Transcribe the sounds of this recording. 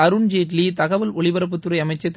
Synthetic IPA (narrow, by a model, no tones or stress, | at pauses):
ɐɾɯɳd͡ʒeːʈlit̪ɐɣɐʋɐlɔɭɪʋɐɾɐp̬ːɯt̪ːɯɾɐɪɐmɐɪt͡ʃːɐt̪ː